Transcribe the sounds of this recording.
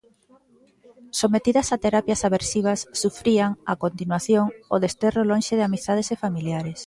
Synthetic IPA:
somet̪iðɐsat̪eɾapjasaβeɾsiβ̞asːufɾiaŋa̰kont̪inwaθjoŋoðest̪erolõnʃeðɪamist̪aðesefamiljaɾes

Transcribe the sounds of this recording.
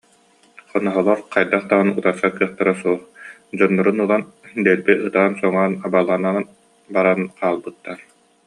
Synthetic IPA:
χɔnɔɦɔlˠɔɾqʰajd̪aχt̪aʁɯnut̪aɾsakːɯɐχt̪aɾasuɔχ | d͡ʑɔnːɔɾunɯlˠand̪ɛlbiʔɯt̪aːnsɔŋaːnabalˠana | baɾanqʰaːlˠbɯt̪ːaɾ

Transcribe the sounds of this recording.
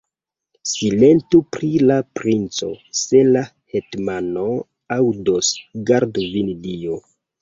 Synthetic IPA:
sile̞ntupɾilapɾint͡so̞̰se̞la | hetmano | awdosɡaɾdvindio

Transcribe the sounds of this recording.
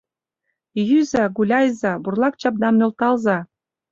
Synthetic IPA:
jyzæɡulʲɑjzɑburlˠɑk̚t͡ɕɑp̚d̪ɑmnølt̪ɑlzɑ

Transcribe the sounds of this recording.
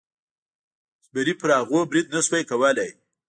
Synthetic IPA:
sbaɾipəɾɑɣobɾid̪̚naswajkawəlaj

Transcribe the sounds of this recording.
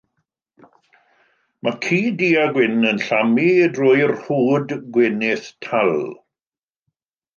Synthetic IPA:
mʔakʰiːdiːaɡwɪnənɬamidroːjrr̥uːdɡwɪnɪθtʰalˠ

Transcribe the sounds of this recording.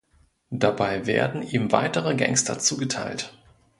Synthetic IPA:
d̥abaɪvḛːɐdn̩iːmva̰ɪtəʁəɡɛ̰ŋstʰɐ̰t͡suːɡətʰaɪlt

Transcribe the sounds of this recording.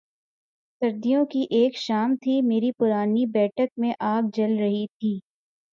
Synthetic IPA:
sɐɾd̪ijõkiʔeːkʃaːmt̪ʰimeːɾipʊɾaːnibɛːʈʰək̚mẽʔaːɡ̚d͡ʒɐlɾɐɦit̪ʰiː

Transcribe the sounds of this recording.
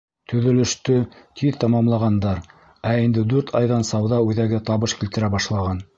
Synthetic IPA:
t̪ʰɵ̆ðɵ̆lɘ̆ʃt̪ɵt̪ʰiðt̪ɑmɑmlˠɑʁɑnd̪ɑɾ | æind̪ɘd̪ʉɾt̪ʰɑjðɑnsɑwðɑʉðæɡɘt̪ɑβɤʃkilt̪ɘ̆ɾæbɑʃlˠɑʁɑn

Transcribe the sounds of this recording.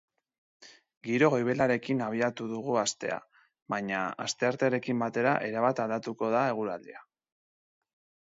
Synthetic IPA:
ɡiɾo̞ɣo̞jβe̞laɾe̞kinaβ̞iat̪uðuɣ̞uast̪e̞a̰ | βaɲaa̰st̪e̞aɾt̪eaɾe̞kimbat̪e̞ɾaʔe̞ɾaβat̪ald̪at̪uko̞ð̞ae̞ɣ̞uɾald̪ia

